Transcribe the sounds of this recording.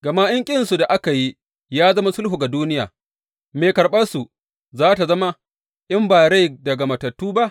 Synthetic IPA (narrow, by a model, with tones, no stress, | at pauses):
ɡɐ˨ma˦jɐ˦ŋkʲʼɪ˦nsu˨da˨ʔa˦ka˨ji˦ | jaː˦zɐ˦ma˦sʊ˦lhu˨ɡa˨duː˦nɪ˦ja̰ː˨ | meː˨kɐ˨ɾɓɐ˦su˨ | zaː˦ta˨zɐ˦ma˦ | ʔɪ˦mbaː˨ɽe˦jdɐ˨ɡa˨mɐ˨tɐ˨tːuː˦ba˦ʔ